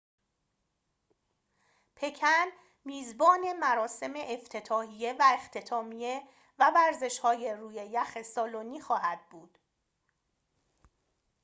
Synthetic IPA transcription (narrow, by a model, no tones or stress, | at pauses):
pʰe̞cʰæn | miːzbɒːne̞mæɾɒːse̞me̞ʔːft̪ʰe̞t̪ʰɒːhije̞væext̪ʰe̞t̪ʰɒːmije̞ | vævæɾze̞ʃhɒːje̞ruːje̞jæxesɒːloniːxɒːɦæd̪̚buːd̪̥